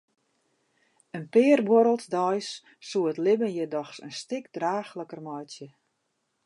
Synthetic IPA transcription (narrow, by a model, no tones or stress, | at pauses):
ənpɪːərbwɔɾəlˠtdɔjsː | uətlɪbənjədɔxsə̰nstɪkdraːxləkərmɔjtjə